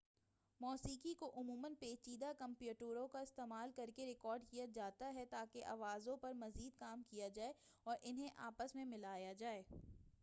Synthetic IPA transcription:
mɔːsiːkikoʔʊmuːmənpeːt͡ʃiːd̪akɐ̃mpjuːʈuːɾõkaɪst̪eːmaːlkɐɾkeɾɪkɔːɾɖkijad͡ʒaːt̪aɦɛt̪aːkeʔa̰ːʋaːzõpɐɾmɐziːd̪kaːmkijad͡ʒaːe | ɔːɾʔɪnɦẽʔa̰ːpəsmẽmɪlaːjad͡ʒaːeː

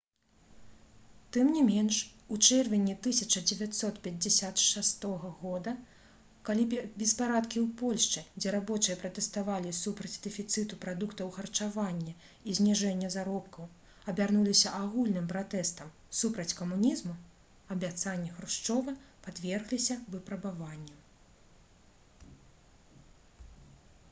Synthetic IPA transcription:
t̪ɨmnʲimʲɛnʂut͡ʂɛrvʲinʲit̪ɨsʲɐt͡ʂɐd͡zʲɛvʲat̪sɔt̪pʲɛd͡zʲɛsʲat̪ʂast̪ɔɣɐɣɔd̪ɐ | kalʲibʲɛspaɾat̪kʲiwpɔlʲʂt͡ʂɨd͡zʲɛɾabɔt͡ʂɨjɐpɾɐt̪ɛst̪avalʲisupɾɐd͡zʲd̪ɛfʲit̪sɨt̪upɾad̪ukt̪ɐwxɐrt͡ʂavanʲːɐ | izʲnʲiʐɛnʲːɐzaɾɔpkɐw | ɐbʲarnulʲisʲɐʔaɣulʲnɨmpɾat̪ɛst̪ɐm | supɾɐt͡sʲkɐmunʲizmu | ɐbʲat̪sanʲːɛɣɾuʂt͡ʂɔvɐpad̪vʲɛrɣlʲisʲɐvɨpɾɐbavanʲːɛ

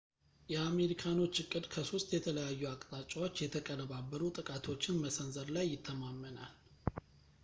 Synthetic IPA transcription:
jɛame̞ɾikʰano̞t͡ʃːɨkʼːɨd̪kʰəsost̪jɛt̪ʰələjajːuakʼt̪ʼat͡ʃʼːawo̞t͡ʃːjɛt̪ʰəkʼənəβabːəɾut̪ʼɨkʼat̪ʰo̞t͡ʃːɪnməsənzəɾlajːɪt̪ʰːəmamːənal

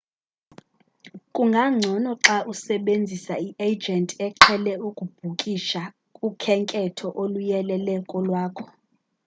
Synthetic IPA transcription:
kʼuŋɡʱaŋ͡ǀʱɔnɔǁaʔusɛɓend͡zʱisaiʔed͡ʒɛntʼɛǁʰɛlɛukʼub̥ʱukʼiʃa | kʼukʰɛŋkʼɛtʰɔʔolujɛlɛlɛkʼɔlwaːkʰɔ̥

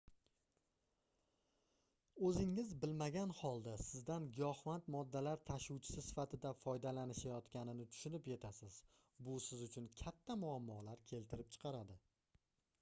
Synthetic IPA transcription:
ɵzɪŋːɪzbɪlmaɡʲanhɒlˠd̪asɪzd̪anɡɒhvant̪mɒd̪ːalaɾt̪ʰaʃʊwt͡ʃʰɪ̥sɪsɪ̥fat̪ʰɪd̪afɒjd̪alanɪʃajɒt̪kʲanɪnɪt̪ʰʊ̥ʃʊnɪpje̞t̪ʰasɪz̥ | bʊsɪzʊt͡ʃʰʊnkʲʰat̪ʰːamʊamːɒlaɾkʲʰe̞lt̪ʰɪɾɪp̚t͡ʃʰɨ̥qʰɑɾad̪ɪ

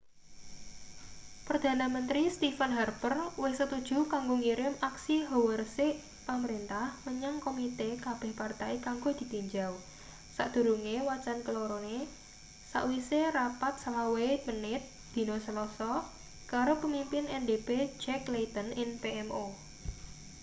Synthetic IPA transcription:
pərd̪̥a̤namənt̪ɾist̪ifanɦarbərwɪhsət̪ud̥ʒ̥ṳkaŋɡoŋiɾɪmaksiɦowərsɪʔ | paməɾint̪ahməɲaŋkomit̪ekab̥ɛ̤hpart̪aikaŋɡod̪̥i̤t̪iɲd͡ʒaw | sa̰ʔd̪̥ṳɾuŋewat͡ʃankəloɾone | sa̰ʔwiserapat̪̚salawemənɪt̪̚ | d̪̥i̤nosəlɔsɔ | kaɾopəmimpɪnɛndebed͡ʒɛklet̪ənɪŋpeɛmo

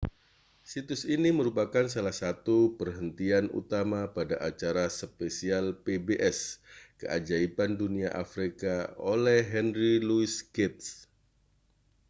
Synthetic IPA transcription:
sit̪ʊsiniməɾupakans̬alahsat̪upərɦənt̪ianṵt̪amapadaʔat͡ʃaɾasəpesialpebeʔɛskəʔad͡ʒaipanduniaʔafɾikaolɛhɦɛnɾiluiskɛt̪̚s

